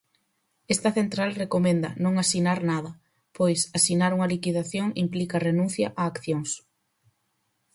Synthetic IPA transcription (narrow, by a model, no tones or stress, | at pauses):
est̪ɐθent̪ɾalrekomẽnd̪ɐ̰nõŋasinaɾnaðɐ | pojsasinaɾuŋɐlikiðaθjoŋimplikarenũn̟θjɐʔaːkθjoŋs